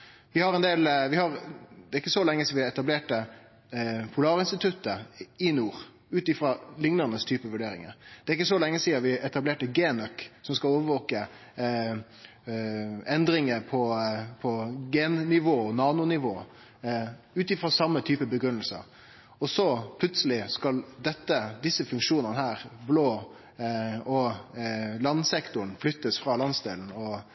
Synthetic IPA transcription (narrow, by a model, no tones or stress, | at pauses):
ʋɪhɑɾɛnd̪eːlʋɪhɑɾd̪ɛɾɪkːəsɔlɛŋːəsɔʋɪɛt̪ɑbleːʈə | pʰʊlɑːɾəɪnst̪ɪt̪ʰʉt̪ːəɪnuːɾ | ʉːt̪ɪfɾɑlɪŋnənəst̪ʰyːpəʋʉɖeːɾɪŋə̰ɾd̪̥ɛæɾɪk̬ːəsɔlɛŋːəsiːɑʋɪɛt̪ɑbleːʈəɡeːnœksɔmskɑloːʋəʋoːkə | ɛnd̪ɾɪŋəɾpʰɔpʰɔɡeːnnɪʋoːɔnɑːnʊnɪʋoː | ʉːt̪ɪfɾɔsɑmːət̪ʰyːpəbəɡɾʉnːəlsə̰ɾ | ɔsɔpʰlʉt̪səlɪskɑld̪ɛt̪ːəd̪ɪsːəfʉŋkʃuːnənəhæːɾbloː | ɔ | lɑnsɛkt̪ʊɳ̩flʏt̪ːəsfɾɑlɑnsd̪eːln̩ɔ